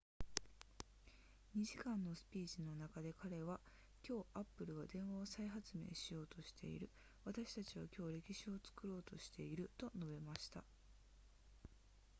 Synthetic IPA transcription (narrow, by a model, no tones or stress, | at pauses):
ɲ̟iʑikãnːo̞sɨ̥pʲiːʑino̞nakad̪e̞kaɾe̞βa | kʲo̞ːʔapːɯ̟ɾɯ̟βad̪ẽ̞ɰ̃βaosaiɦat͡sɨme̞̰ːɕijo̞ːt̪o̞ɕi̥t̪ʰe̞̰ḭɾɯ̟ | β̞at̪aɕi̥t̪at͡ɕiβakʲo̞ːɾe̞kʲiɕio̞t͡sɨ̥kɯ̟ɾo̞ːt̪o̞ɕi̥t̪e̞iɾɯ̟t̪o̞no̞be̞maɕi̥t̪a